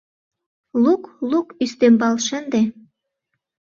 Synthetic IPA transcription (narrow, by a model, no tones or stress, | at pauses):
luklukyst̪embɑlʃə̆nd̪e